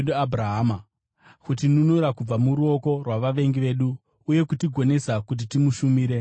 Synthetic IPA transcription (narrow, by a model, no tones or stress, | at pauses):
ɗuabraɦaːma | kutinunuɾakub͡vamuɾuo̞ko̞rwaʋaʋe̞ŋɡiʋe̞ːɗuː | je̞kutiɡʱo̞ne̞sakut̬itimuʃumiːɾe̞